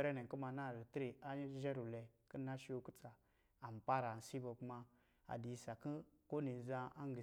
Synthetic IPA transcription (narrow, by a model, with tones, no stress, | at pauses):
ɾe˦ne˨ku˦ma˧˨na˦˨ɾi˨ti˦ɾi˨a˦ʒe˦ɾu˨lɛ˨kə˦na˦ʃi˦o˦ku˦t͡sa˨ | a˨m˨pa˦ɾa˨n̩˨si˦bo˨kma˧ | a̰˨di˨sa˨ki˦ko˦ni˨za˧a˦ŋ˦ɡi˨